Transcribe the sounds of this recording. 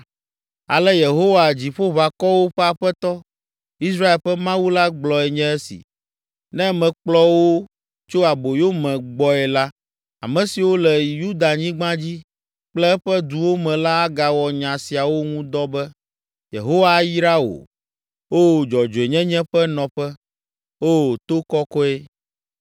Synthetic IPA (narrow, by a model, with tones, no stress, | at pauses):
a̰˨lɛ˦je˨ɦo˦wa˨d͡ʑi˨ɸo˦βa˨kɔ˦wo˦ɸɛ˦a˨ɸɛ˦t̪ɔ˦ | i˦s̬ɾa˦e˨lɸɛ˦mã˦wu˦la˦ɡ͡blɔ˨ɛ˨ɲɛ̃˦ɛ˦sḭ˨ | nɛ̃˦mɛ̃˨k͡plɔ˦wo˦ | t͡ʃo˦a˨bo˨jo˦mɛ̃˨ɡ͡bɔ˦ɛ˨la˦ | a̰˨mɛ̃˨si˨wo˦lɛ˨ju˦d̪a˨ɲĩ˦ɡ͡bã˦d͡ʑi˦ | k͡plɛ˦ɛ˦ɸɛ˦d̪u˨wo˦mɛ̃˨la˦a˦ɡa˨wɔ˨ɲã˨si˨a˨wo˦ŋũ˦d̪ɔ˦bɛ˦ | jḛ˨ɦo˦wa˦ji˦ɾa˦wo̰˨ | o˦˨d͡ʒɔ˨d͡ʒo˨e˨ɲɛ̃˦ɲɛ̃˦ɸɛ˦nɔ̃˨ɸɛ˦ | o˦˨t̪o˦kɔ˦kɔ˦e˦